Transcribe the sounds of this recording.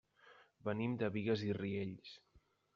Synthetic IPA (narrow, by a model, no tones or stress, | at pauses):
bənimd̪əβiɣəzirieʎs